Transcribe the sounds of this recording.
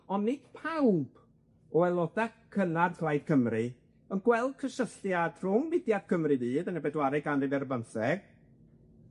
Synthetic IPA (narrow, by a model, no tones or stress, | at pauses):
ɔnːɪd̥pʰawb̥ | ɔɛlˠɔdakʰːənarkʰlˠajd̚kʰəmrɨ | ənɡwɛlˠd̥̚kʰəʃəstjad̥rʊŋmɪdjad̥̚kʰəmrɨðiːdənɛbɛdwaɾɨɡandɨdɛrbənθɛɡ̥̚